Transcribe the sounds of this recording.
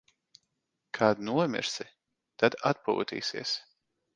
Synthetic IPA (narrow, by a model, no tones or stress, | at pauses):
kʰaːd̪nuɔmʲɪ̰ɾsi | t̪ad̪at̪̚pṵːt̪ḭːsḭɛs